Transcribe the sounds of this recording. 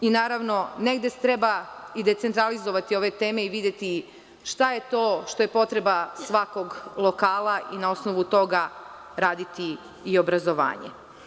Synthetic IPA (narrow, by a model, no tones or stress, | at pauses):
inaːɾaʋno̞neɡd̪est̪ɾe̞baid̪e̞t̪se̞nt̪ɾalizo̞ʋat̪io̞ʋe̞t̪e̞ːme̞iʋid̪je̞t̪i | ʃt̪aje̞t̪o̞ːʃt̪o̞jepo̞t̪ɾe̞basʋako̞ɡlˠo̞kaːlˠaʔinao̞sno̞ʋut̪o̞ɡa | ɾaːd̪it̪iː | o̞bɾazo̞ʋa̰ːɲḛ